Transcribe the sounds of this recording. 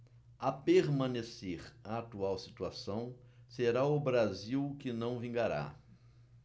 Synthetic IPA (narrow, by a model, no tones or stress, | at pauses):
apeɾmɐ̃neseɾaːt̪uawsi̥t̪uasɐ̃w̃ | seɾaʊbɾaziwkɪnɐ̃w̃vĩŋɡaɾa̰